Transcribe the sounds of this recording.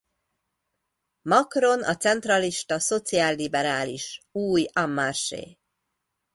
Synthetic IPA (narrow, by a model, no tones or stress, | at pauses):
mɒkro̞nɒ̰t̪sɛnt̪rɒliʃt̪ɒso̞t̪siaːlːibɛɾaːlḭʃuːjɒmːarʃḛː